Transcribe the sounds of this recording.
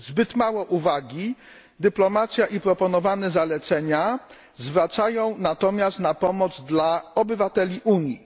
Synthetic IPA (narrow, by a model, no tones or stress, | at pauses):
zbɘt̪mawɔʔuvaɡʲi | d̪ɘplɔmat̪sʲjaʔipɾɔpɔnɔvanɛzalɛt̪sɛɲa | zvɾat̪sajɔ̃w̃nat̪ɔmʲjast̪napɔmɔd̪zd̪laɔbɘvat̪ɛlʲiʔuɲji